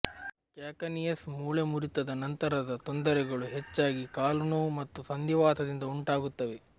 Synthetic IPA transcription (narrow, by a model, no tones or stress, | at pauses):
kjaːkɐnijɐsmuːɭɐmuɾit̪ɐd̪ɐnɐnt̪ɐɾɐd̪ɐt̪ond̪ɐɾɛɡɐɭuɦet͡ʃːaːɡikaːlunɐʋumɐt̪ːusɐnd̪iʋaːt̪ʰɐd̪ind̪ɐuɳʈaːɡut̪ːɐʋe